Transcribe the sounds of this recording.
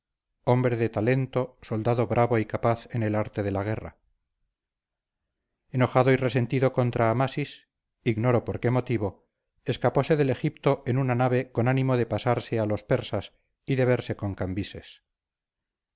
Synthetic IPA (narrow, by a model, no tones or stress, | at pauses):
o̞mbɾe̞ðet̪ale̞nt̪o̞so̞ld̪aðo̞βɾʔaβo̞ikapaθe̞ne̞laɾt̪e̞ðe̞laɣ̞e̞ra̰ | eno̞χaðo̞ire̞se̞nt̪iðo̞ko̞nt̪ɾʔaːmasis | iɣnoɾo̞po̞ɾke̞mo̞t̪iβo̞ | e̞skapo̞se̞ðe̞le̞xip̚t̪o̞ʔenunanaβ̞e̞ko̞nanimo̞ðe̞pasaɾsealo̞spe̞ɾsas | iðe̞βe̞ɾse̞ko̞ŋkambise̞s